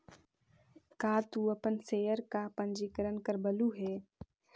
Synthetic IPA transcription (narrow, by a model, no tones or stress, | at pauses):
kaːt̪uːəpənseːəɾkapə̃nd͡ʒiːkəɾənkəɾbəluːɦɛː